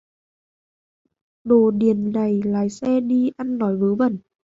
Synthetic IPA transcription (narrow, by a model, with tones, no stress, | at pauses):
ɗo˨˩ɗi˨˩ənːa˨˩jlaː˨jsɛ˧ɗi˧ʔa˧nːɔ˨˦jvɨː˨˦və˧˩n